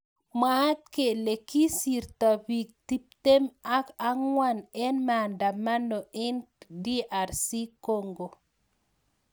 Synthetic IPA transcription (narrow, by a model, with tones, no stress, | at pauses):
ma˦t̪̚ke˨le˨ki˦si˨ɾt̪a˨bi˨k̚ti˦p̚te˦ma˦ka˦ŋwa˦nɛ˦nma˨nda˨ma˦no˨ʔe˦ndi˦ʔa˨ɾsi˦ko˦˨ŋɡo˨